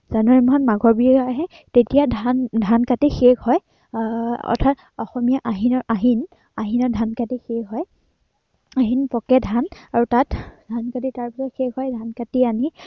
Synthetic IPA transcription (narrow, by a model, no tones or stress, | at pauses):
zanɔɹimɔnmaɡɔɹbiaɦɛ | tetijadʱandʱankatixeɡhɔj | ɔ̰tʰat | ɔ̰xɔmijaʔaɦinɔɹʔaɦin | aɦinɔdʱankatixeɡɦɔj | aɦinpɔkɛdʱanaɹutatdʱankatitaɹpisɔxeɡɦɔjdʱankatiani